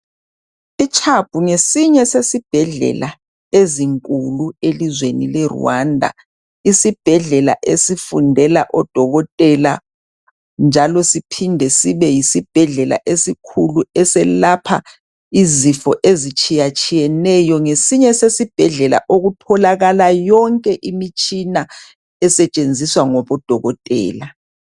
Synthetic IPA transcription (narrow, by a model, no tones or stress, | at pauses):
it͡ʃʰʼab̥ʱuŋesiɲɛsesib̥ʱɛɮɛ̰la | eziŋkʼuluelizwenilɛrṵwandʱa̰ | isib̥ʱɛɮɛla̰ʔesifundʱɛlaʔɔd̥ʱɔɣɔtʼɛla | nd͡ʒʱalɔsipʰindʱɛsiβɛjisib̥ʱɛɮɛla̰ʔesikʰuluɛsɛlapʰa̰ | izifɔʔezit͡ʃʼijat͡ʃʼijɛnɛjɔŋesiɲɛsesib̥ʱɛɮɛla̰ʔoɣutʰɔlaɣalajɔŋkʼɛʔimit͡ʃʼina | ɛsɛt͡ʃʼend͡zʱiswaŋɔβɔd̥ʱɔɣɔtʼɛ̰ːla